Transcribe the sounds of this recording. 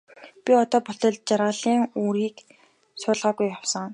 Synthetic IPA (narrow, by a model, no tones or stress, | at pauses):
pʲiɔt̪ɔːpʊt̪ɞ̆ɮt̪̚t͡ɕaɾaːɮiːŋuːɾiːk | sʊːɮʁaːɣujːawsə̆ŋ